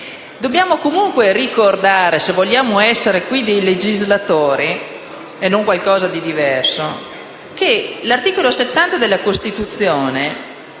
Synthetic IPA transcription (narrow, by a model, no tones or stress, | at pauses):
d̪objaːmokomuŋkwerikord̪aːɾesevoʎjaːmoɛsːeɾekwid̪ejled͡ʒizlat̪oːɾi | enːoŋkwalkɔːzad̪id̪ivɛrso | kelart̪iːkoloset̪ːant̪ad̪elːakost̪it̪ut̪sːjoːne